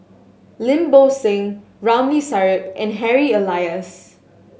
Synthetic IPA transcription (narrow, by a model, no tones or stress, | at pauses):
lɪ̃mbosẽŋ | ɹãʊ̃mlisaɹɪpʔɛ̃nɦɛɹiəlaɪəs